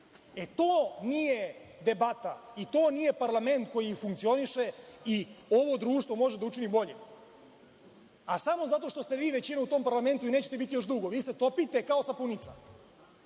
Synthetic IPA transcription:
et̪oːnijed̪e̞bat̪ait̪o̞ːnije̞paɾlame̞nt̪̚ko̞jifuŋkt̪sio̞niʃeio̞ʋo̞d̪ɾuːʃt̪ʋo̞mo̞ʒed̪aut͡ʃinibo̞ʎḛ | asamo̞zat̪o̞ʃt̪o̞st̪eʋiːʋe̞t͡ɕineut̪o̞ːmpaɾlame̞nt̪uineːt͡ɕet̪e̞bit̪ijo̞ʃd̪ɾuɡo̞ʋiːset̪o̞pit̪e̞kao̞sapunit̪sa̰

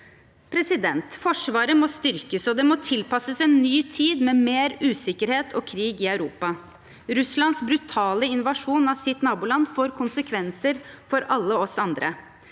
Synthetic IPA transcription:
pʰɾɛsɪd̪ɛnt̪fɔʂʋɑːɾəmɔst̪ʏɾkəsɔd̪ɛmɔt̪ʰɪlpɑsəsɛːnːyːt̪ʰiːd̪mɛːmeːɾʉːsɪkəɾheːt̪ʰɔːkʰɾiːɡɪœʉɾuːpɑ | ɾʉslɑnsbɾʉt̪ʰɑːləɪnʋɑʂuːnɑsɪt̪nɑːbuːlɑnfoːɾkʰʊnsəkʰʋɛnsəɾfɔɾʔɑlːəɔsɑnd̪ɾə̰

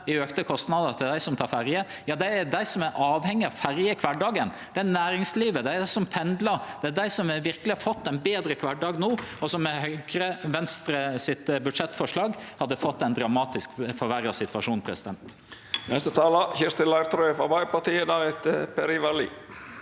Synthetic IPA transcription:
ɪøːkt̪əkʰɔst̪nɑd̪əɾt̪ʰɪld̪æɪsɔmt̪ʰɑːɾfæɾjə | jɑːd̪ɛæɖ̪æɪsɔmæɾʔɑːʋhɛŋːɪɑʋfæɾjəkʰʋɑɖɑːɡənd̪̥ɛænæːɾɪŋsliːʋəd̪ɛæsɔmpʰɛnd̪ləɾd̪̥ɛæd̪æɪsɔmɛɾʋɪɾkəlɪhɑfɔt̪ːɛɪnbeːd̪ɾəkʰʋɑɖɑːɡnoːɔsɔmːɛhœʏɡɾəʋɛnst̪ɾəsɪt̪bʉd̪ʂɛt̪ːfɔʂlɑːɡhɑd̪ːəfɔt̪ːɛɪnd̪ɾɑmɑːt̪ɪskfɔɾʋæɾɑsɪt̪ʋɑʂuːnpʰɾɛsɪd̪ɛnt̪ | nɛst̪ət̪ʰɑːləçɪɾst̪ɪnlɑɪɾt̪ɾɔfɑbɑɪpɑt̪iːəd̪æɾɛt̪pɛɾiʋɑlḭː

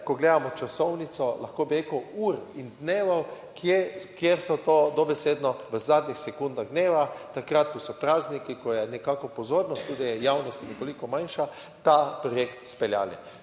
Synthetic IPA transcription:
kɔɡleːd̪amɔt͡ʃasɔwnit̪sɔlaxkoːbiɾekəwuɾind̪neːʋaw | kʰjekjeɾsɔt̪oːd̪ɔbɛseːd̪nɔʋəzaːd̪nʲixsɛkund̪aɣd̪neːʋat̪akɾat̪kɔsɔpɾaːznikikɔjɛnɛkakɔpɔzoːɾnɔst̪ːud̪ijɛjawnɔst̪nɛkolikɔmajnʃa | t̪apɾɔjekt̪spɛlja̰ːli

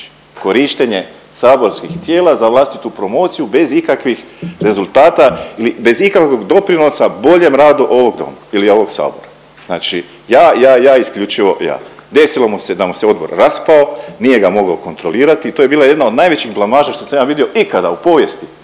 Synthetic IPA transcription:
ko̞ɾiʃt̪eɲe̞ | saːbo̞ɾskixt̪je̞ːlˠazaʋlˠaːst̪it̪upɾo̞mo̞ːt̪sijube̞zikakʋixɾe̞zulˠt̪aːt̪ailibe̞zikako̞ɡd̪o̞pɾino̞sabo̞ʎe̞mɾaːd̪uʔo̞ʋo̞ɡd̪o̰mailio̞ʋo̞ɡsa̰ːbo̞̰ɾa | zna̰ːt͡ʃi | jaːjaːjaːiskʎut͡ʃiʋo̞ja̰ːd̪e̞silomose̞d̪amoseo̞d̪bo̞̰ɾɾaspao̞nije̞ɡamo̞ɡoko̞nt̪ɾo̞liːɾat̪iːt̪ojebiːlˠaje̞d̪nao̞d̪naːjʋet͡ɕixblˠamaːʒaʃt̪o̞samjaːʋid̪io̞ʔikad̪aupo̞ːʋje̞st̪i

